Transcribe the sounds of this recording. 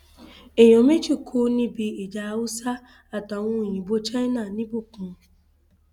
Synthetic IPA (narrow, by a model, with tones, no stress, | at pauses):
e˨ɲo˨me˦t͡ʃi˦kʰu˦ni˦bi˨e˨d͡ʒa˨˦wʊ˦sa˦ | a˨ta˨ŋʷu˦˨ɲi˨bo˦t͡ʃa˦i˦na˨ni˦bʊ˦ku˨˦